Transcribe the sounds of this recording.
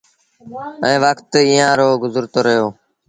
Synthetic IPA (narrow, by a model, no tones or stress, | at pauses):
ɛ̃ːʋəkt̪iːãːɾoːɡʊzəɾt̪oːɾəjoː